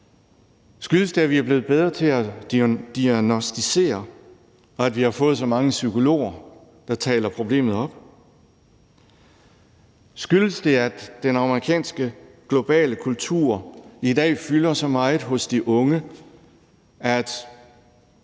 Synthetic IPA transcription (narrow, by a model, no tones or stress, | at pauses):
sɡ̥yləsd̥eæɐʋiæɐb̥le̝ːð̩ˠbeð̞ˠʁɐt͡sʰe̝æ̥d̥iænosd̥ise̝̰ːɐ | ɒ̽æd̥ʋihɑ̈fɔ̽ːð̞̩ˠsɒ̽mɑ̈ŋəsyko̝lo̝̰ːɐ | d̥ɑ̈t͡sʰɛ̰ːlɐpʰʁo̝b̥le̝̰ːmð̞̩ˠɒ̽b̥ | sɡ̥yləsd̥e̝æd̥enɑ̈məʁikʰɛ̰ːnsɡ̥əɡ̥lo̝b̥ɛ̰ːləkʰult͡sʰṵɐ̰id̥ɛ̰ːfylɐsɒ̽mɑ̈ɪð̩ˠɦɔ̽sd̥iʔɔ̽ŋə | æd̥